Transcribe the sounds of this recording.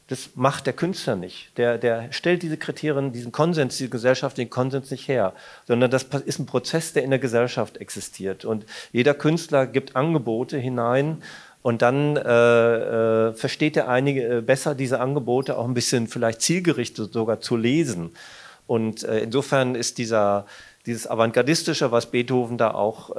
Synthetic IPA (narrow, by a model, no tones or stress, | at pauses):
d̥asmaχtd̥eːɐkʰʏnstlɐnɪçtd̥eːɐdeːɐʃtɛlt̚d̥iːzəkʁ̥itʰeːʁijəndiːzn̩kʰɔnzɛnsd̥iːzəɡəzɛlʃaftlɪçn̩kʰɔnzɛnsnɪçtheːɐz̥ɔndɐndaspɪstn̩pʁ̥ot͡sɛsd̥eːɐɪndeːɐɡəzɛlʃaftʔɛksɪstʰiːɐtʰʊntjeːɾɐkʰʏnstlɐɡiːp̚tʔanɡəboːtəɦɪnaɪn | ʔʊntd̥anɛːɛːfɛɐʃteːt̚d̥eːɐʔaɪnɪɡəbɛsɐdiːzəʔanɡəboːtəa̰ʊxn̩bɪsçənfɪlaɪçt̚t͡siːlɡəʁɪçtəzoɡaːɐt͡suleːzn̩ | ʔʊntʔɛːɪnzoːfɛɐnɪst̚d̥iːzɐ | d̥iːzəsa̰vaŋɡaɐdɪstɪʃəvasb̥eːthoːvn̩da̰ːʔa̰ʊx